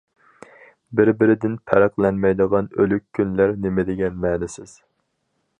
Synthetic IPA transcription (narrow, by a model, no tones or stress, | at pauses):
bɪɾbɪɾɪd̪ɪnpʰɛɾæqlˠɛnmɛjd̪əʁɑnølykʲʰːynlæɾnɪmɪd̪ɪɡʲɛmɛːnɪsɪz̥